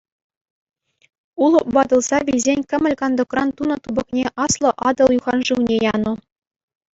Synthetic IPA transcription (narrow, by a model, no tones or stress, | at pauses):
ulˠɤ̆pbɑd̪ɤ̆lˠz̥ɑʋʲizʲenʲkʲɘ̆mʲɘ̆lʲkɑnd̪ŏkrɑnt̪unɤ̆t̪ubɤ̆knʲeʔɑslˠɤ̆ʔɑd̪ɤ̆lˠjuʁɑnʐɯwnʲejɑnu